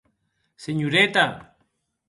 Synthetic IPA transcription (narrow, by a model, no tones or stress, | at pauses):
seɲuɾet̪a